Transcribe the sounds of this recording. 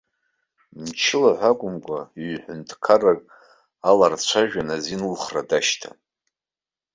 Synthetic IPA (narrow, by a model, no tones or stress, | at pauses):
nt͡ʃʰɪlaħʷakʷʼʊmkʷʼaiɥħʷʊntʰkʰarakʼ | alart͡ɕʷʰaʒᶣanazinulχradaʃtʰa̰